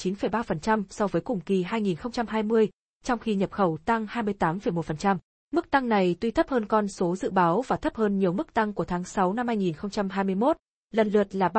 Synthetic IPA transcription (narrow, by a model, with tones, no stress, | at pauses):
t͡ɕi˨˦nfə˨˩jɓaː˧fə˨˩nt͡ɕa˧msɔ˧wvəː˨˦jkʊ˨˩ŋ͡mki˨˩ɦaː˧jŋi˨˩nxə˧wŋ͡mt͡ɕa˧mɦaː˧jmɨ˧əj | t͡ɕɔ˧wŋ͡mxi˧ɲə˨˩p̚xə˧˩wt̪a˧ŋhaː˧jmɨ˧əjt̪aː˨˦mfə˨˩jmo˨˩t̚fə˨˩nt͡ɕa˧m | mɨ˦˥k̚t̪a˧ŋna˨˩jt̪wi˧t̪ʰə˦˥p̚həː˧nkɔ˧nso˨˦zɨ̰˧˨ɓaː˨˦wvaː˨˩t̪ʰə˦˥p̚həː˧nɲi˨˩əwmɨ˦˥k̚t̪a˧ŋku˧˩ət̪ʰaː˨˦ŋsa˨˦wna˧mhaː˧jŋi˨˩nxə˧wŋ͡mt͡ɕa˧mɦaː˧jmɨ˧əjmo˦˥t̚ | lə˨˩nlɨ˨˩ət̚laː˨˩ɓ